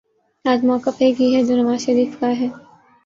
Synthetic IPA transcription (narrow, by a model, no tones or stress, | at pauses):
aːd͡ʒmɔːkːəfeɡiɦɛd͡ʒoːnɐmaːʃɐɾiːfkaɦɛː